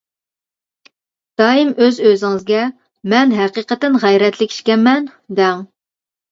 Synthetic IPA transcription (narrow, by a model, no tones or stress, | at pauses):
d̪̥ɑːimøzøzɪŋɨzɡʲɛ | mɛnɦæqiqət̪ːɪnʁæjɾɛt̪ʰlɪkʲʰi̥ʃkʲɛnmːɛnd̪ɛŋ